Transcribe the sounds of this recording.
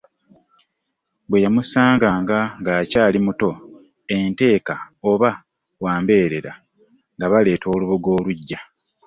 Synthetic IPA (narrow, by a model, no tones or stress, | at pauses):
bwe̞jamusaːŋɡaːŋɡaŋɡaːcaːlimuto̞ | e̞nte̞ːkaoβa | waːmbe̞ːɾe̞ɾa | ŋɡaβale̞ːtʰo̞ːluβuɡo̞ːluɟːa